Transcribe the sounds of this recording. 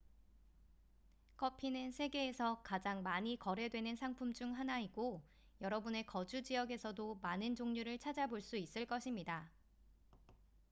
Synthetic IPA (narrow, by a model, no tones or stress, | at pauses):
kʰʌpʰinɯnsʰe̞ɡe̞ːsʰʌkad͡ʑaŋmaɲikʌɾe̞dwe̞nɯnsʰaŋpʰumd͡ʑuŋɦanaiɡo | jʌɾʌbune̞kʌd͡ʑud͡ʑiʌɡe̞sʰʌdomanɯnd͡ʑoŋɲuɾɯɭt͡ɕʰad͡ʑaboɭs͈uis͈ɯɭk͈ʌɕʰimɲida